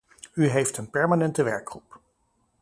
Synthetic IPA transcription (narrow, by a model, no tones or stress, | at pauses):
yɦejftənpɛɹmanɛntəʋɛɹkχrup